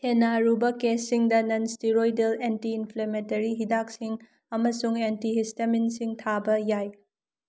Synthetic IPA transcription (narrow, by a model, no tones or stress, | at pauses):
henːaɾubɐkesːiŋdɐnɐnstiɾojdelentiːnpʰlementɐɾiɦidak̚siŋ | ɐmɐsuŋentiɦisteminsiŋtʰabɐjaj